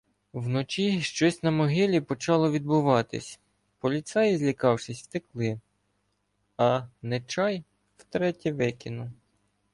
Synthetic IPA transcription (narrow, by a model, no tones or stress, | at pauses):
wnɔt͡ʃiʃt͡ʃɔsʲnɐmɔɦɪlʲipɔt͡ʃɑlˠɔʋʲid̪̚bʊʋɑt̪ɪ̰sʲ | pɔlʲit̪sɛjzʲlʲikɑwʃɪsʲwt̪ɪklˠɪ | ɐnɛt͡ʃɑj | wt̪ɾɛtʲɛʋɪkʲɪnʊ